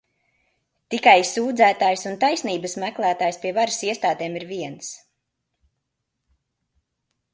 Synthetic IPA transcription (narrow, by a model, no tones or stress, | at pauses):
t̪ikajsuːd̪zæːt̪aːjsunt̪ajsniːbəsmæklˠæːt̪aːjspiɛvaɾsiɛst̪aːd̪eːmiɾviɛns